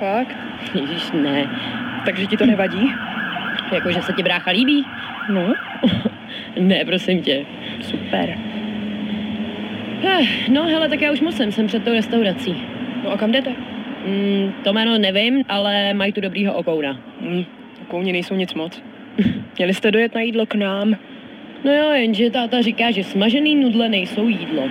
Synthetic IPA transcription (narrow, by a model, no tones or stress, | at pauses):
fakt̪ | jɛʒɪʃnɛt̪aɡʒɛcɪt̪onɛvaɟiː | jakoʒɛsɛcɪbɾaːxaliːbiː | no | nɛpɾosɪmcɛ | supɛ̰ɾ | hɛno̞ɦɛlɛt̪akjaːuʃmosɛmsɛmpr̥ɛt̪̚ːowɾɛst̪awɾat͡siːnoʔakamdɛt̪ɛ | t̪omɛːnonɛvɪmʔalɛmajt̪udo̞bɾiːɦoʔokowna | ʔokowɲɪnɛjsowɲɪt͡smot͡s | mɲɛlɪst̪ɛdojɛt̪najiːdloknaːm | nojojɛnʒɛt̪aːt̪arɪkaːʒɛsmaʒɛniːnudlɛnɛjso̞wjiːdlo̰